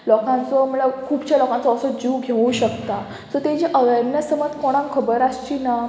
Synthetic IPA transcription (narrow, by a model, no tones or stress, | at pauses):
lɔkãnt͡sɔm̤əɭakʰuːpt͡ɕjalɔkãnt͡sɔːsɔd͡ʑiwɡʱeʋũɕəkt̪a | t̪ət̪ẽd͡ʑiʔəʋəɾnəsəməd̪kɔɽ̃ãŋkʰəbəɾast͡ɕina